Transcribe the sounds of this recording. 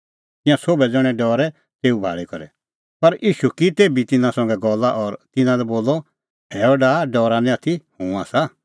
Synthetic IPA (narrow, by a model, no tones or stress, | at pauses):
t̪ɪ̃jãsoːbɛd͡zɔɽ̃ɛ̃ɖɔːɾɛ | t̪eːubʱa̰ːɭikɔɾɛ̰ | pɐɾʔiːʃukit̪eːbit̪ɪnãsɔ̃ŋɡɛɡɔlːaʔɔːɾt̪ɪnãlɛboːlɔ | ɛːɔɖaːɖɔːɾanɛ̃at̪ʰihũːaːsa